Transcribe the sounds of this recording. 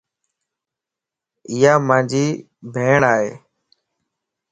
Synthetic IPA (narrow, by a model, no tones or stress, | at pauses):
ɪːjaːmãːnd͡ʒʱiː | bʱeːɳaːɦḛː